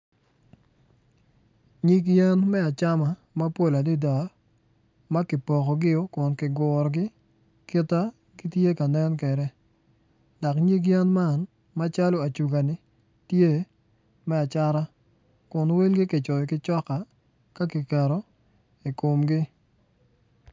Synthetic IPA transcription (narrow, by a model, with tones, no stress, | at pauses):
ɲi˦k̬jɛ˦nmɛ˦a˨t͡ʃa˦ma˨ | ma˦po˦la˨di˦da˨ | ma˦kɪ˨pɔ˨kɔ˨ɡɪ˦o˦kʊ˨nkɪ˨ɡɔ˨ɾɡɪ˦ | ki˦ta˦ | ɡi˦tje˦ka˨nɛ˦nkɛ˨ɾɛ˦ | dɔ˨kɲi˦k̬jɛ˦nma˦˨n | ma˦t͡ʃa˦lo˦a˨t͡ʃu˨ɡa˨nɪ˨ | tje˦ | mɛ˦a˨t͡ʃa˦ɾa˦ | kʊ˨nwi˦lɡɪ˦kɪ˨t͡ʃɔ˨jkɪ˦t͡ʃɔ˦ka˨ | ka˦kɪ˨kɛ˨ɾɔ˦ | i˨ko˨mɡɪ˦